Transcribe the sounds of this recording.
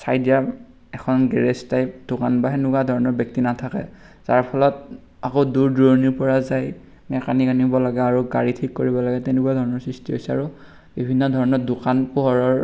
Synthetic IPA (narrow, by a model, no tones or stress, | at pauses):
sajdija | ɛkʰɔnɡɛɹestajd̥ʊkanbaɦɛnʊkadʱɔɹɔnɔɹbɔk̚tinatʰakɛ̰ | z̥aɹpʰɔlɔt̚ | akoduɹdɹoɹniɹpɔɹazaj | mɛkanikanibɔlaɡɛaɹuɡaɹitʰikːoɹibɔlaɡɛtɛnʊkuadʱɔɹɔnɔɹsɹistiɦojsɛa̰ɹu | bibʱinːɔdʱɔɹɔnɔdʊkanpuɦɔɹɔɹ